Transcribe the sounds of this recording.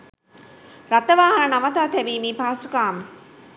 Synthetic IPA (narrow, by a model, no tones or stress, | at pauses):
ɾat̪əʋaːɦɐnɐnamət̪aːt̪ɛbiːmiːpaːsukaːmə